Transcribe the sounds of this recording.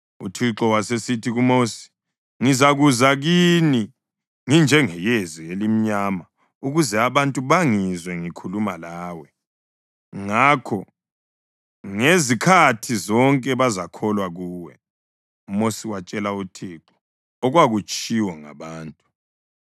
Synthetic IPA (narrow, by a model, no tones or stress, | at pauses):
ṵtʰiǁɔwasesitʰiɣumosi̥ | ŋizaɣuzaɣini | ŋind͡ʒʱɛŋɛjezielim̩ɲaːma | uɣuzɛaβantʼuβaŋizwɛŋikʰulumalaːwɛ | ŋakʰɔ | ŋezikʰatʰizɔŋkʼɛβazakʰɔlwaɣuːwɛ̰ | umosiwat͡ʃʼɛlautʰiǁɔ̥ | ɔɣwaɣut͡ʃʼiwɔŋa̰βaːntʼu